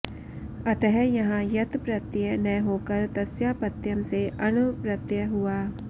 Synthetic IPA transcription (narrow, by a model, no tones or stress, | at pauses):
ɐt̪ɛɦɛjɐɦãjɐt̪pɾɐt̪jənɐjɦoːkɐɾt̪ɐsjaːpɐt̪jɐmseʔɐnʊpɾɐt̪jəɦʊaː